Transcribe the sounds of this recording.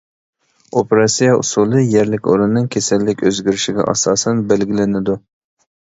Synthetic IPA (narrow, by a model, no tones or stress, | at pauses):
opʰeɾɑsijɑʔṵsulˠɨjɛɾlɪkʲo̰ɾunːɨŋkʲʰesɛlːɪkʲøzɡʲyɾɪʃiɡʲɛ̰ʔɑ̰sɑːsɛnbɛlɡʲilɪnɪd̪u